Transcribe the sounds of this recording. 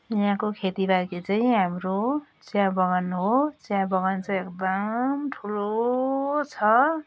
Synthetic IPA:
jʌɦãkokʰet̪iɾakit͡saĩɦamɾot͡sjãbʌɡʌnɦot͡sãbʌɡʌnt͡sʰʌekd̪ʌmʈʰulo | t͡sʰʌ

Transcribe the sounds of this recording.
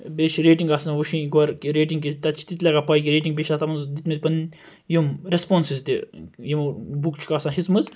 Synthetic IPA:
beʃɾeːʈiŋɡaːsnʋuʃĩɡʋɐɾkiɾeːʈiŋɡkit̪ɐt͡ʃʰi̥t̪it̪lɐɡapɐːjk̬iɾeːʈiŋɡbeːʃʰat̪ɐmɐnzd̪it̪mit̪̚ʲpɐn | jumɾespoːnsizt̪ijimubukt͡ʃʰi̥kaːsãnɦismɐz

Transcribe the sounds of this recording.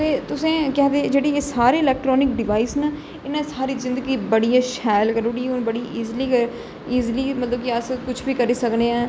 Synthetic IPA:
ẽːt̪ʊsẽːkɛːd̪eːd͡ʒeːɽiːeːsaːɾeːɪlɛːk̚ʈɾɔːnɪk̚ɖɪʋaːiːsna | ɪnãːsaːɾiːzɪ̃nd̪əɡiːbəɽijaːʃɛːlkəɾʊɽiːʊnbəɽiːʔiːzliːkəɾ | iːzliːmət̪ləb̚kɪəskʊt͡ʃʰbiːkəɾiːsəkneːɛ̃ː

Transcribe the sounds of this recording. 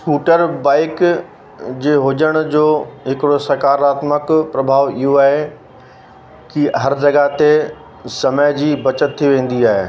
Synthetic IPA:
skuːʈəɾbaːɪk | d͡ʑeːɦʊd͡ʑəɽ̃d͡ʑoːɦɪkɪɽosɐkaːɾaːt̪məkpɾɐbʱaːʋɪɦoaːɦe | kiɦɐɾd͡ʑɐɡat̪e | sɐməjd͡ʑiːbɐt͡ɕət̪ʰːiʋẽːn̆d̪iaːɦeː

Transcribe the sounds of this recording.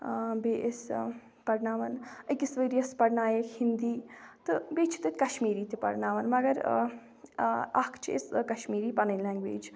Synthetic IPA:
beːʔes | pɐɽnaːʋɐnɐkisʋəɾijɐspɐɽnaːjɐkhind̪iːt̪ɨbeːt͡ʃʰi̥t̪ɨt̪ʲkɐʃmiːɾiːt̪ipɐ̰ɽnaːʋɐnmɐɡɐɾ̰ | ɐkʰt͡ʃʰiḛskɐʃmiːɾiːpɐnəlãːŋɡʋḛːd͡ʒ

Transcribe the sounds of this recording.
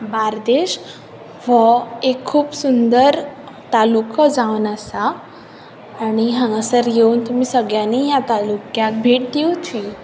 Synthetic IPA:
baɾd̪eɕ | ʋəekʰːuːpsund̪əɾ | t̪alukəd͡zaʋnasa | ɽ̃iɦãŋasəɾjeunt̪um̤iːsəɡɭjanijat̪alukjak̚bʱeʈ̚d̪iwt̪ʰi

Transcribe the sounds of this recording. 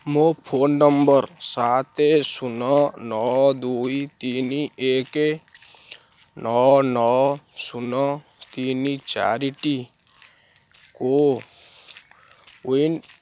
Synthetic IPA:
mopʰoːnːəmbəɾsaːt̪esunɔnɔd̪uit̪iːnieːke | nɔnɔsunɔ | t̪init͡ʃa̰ːɾiʈi | ko | uin

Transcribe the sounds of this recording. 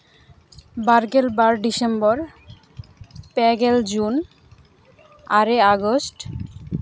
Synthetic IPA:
baɾɡelbaɾɖisembɔɾ | pɛɡeld͡ʑun | aɾeaɡosʈ

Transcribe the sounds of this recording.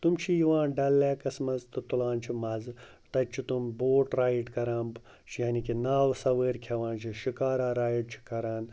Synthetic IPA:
t̪umt͡ʃʰijiʋãːnɖɐlːeːkɐsmɐzt̪ut̪ulaːnt͡ʃʰimɐz | t̪ɐt͡ʃʰit̪umboːʈɾaːjiʈkɐɾaːn | t͡ʃʰjaːnikinaːwsɐʋəːɾkʰɐʋãːnt͡ʃʰiʃikaːɾaːɾaːjiɖ̚t͡ʃʰi̥kɐɾaːn

